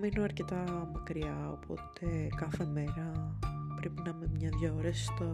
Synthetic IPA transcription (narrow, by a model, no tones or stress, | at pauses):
minoɐɾce̞t̪ɐmɐkɾiɐo̞̰pʰo̞̰t̪ʰekɐθe̞meɾɐpɾepinɐmemɲɐðʝaoɾesst̪o